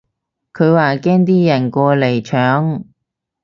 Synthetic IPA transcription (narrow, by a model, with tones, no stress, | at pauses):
kʰɵ˨˧ɥwaː˨˩kɛː˥ŋt̪iː˥jɐ˨˩nkɔː˧le˨˩jt͡ʃʰœː˨˥ŋ